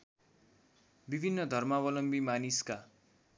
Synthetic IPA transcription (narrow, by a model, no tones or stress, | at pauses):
bibʱinːʌd̪ʱʌrmawʌlʌmbimaniska